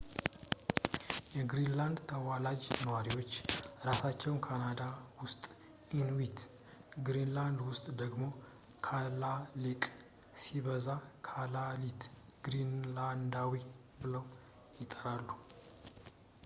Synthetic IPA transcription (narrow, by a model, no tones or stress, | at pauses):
jɛɡɾinland̪t̪ʰəwalad͡ʒnəwaɾiwo̞t͡ʃːɾasat͡ʃːɛwnkʰanad̪awʊst̪ʼ | inwit̪ | ɡɾinland̪wʊst̪ʼd̪əɡmo̞ | kʰalalikʼ | siβəzakʰalalit̪ɡ̥ɾinland̪awi | bɨləw | jɪt̪ʼəɾalːu